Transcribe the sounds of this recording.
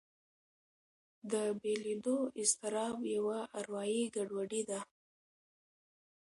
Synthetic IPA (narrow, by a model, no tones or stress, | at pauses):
d̪əbeled̪oɪst̪ɪɾɑbjawaʔaɾwɑjiɡaɖwaɖid̪a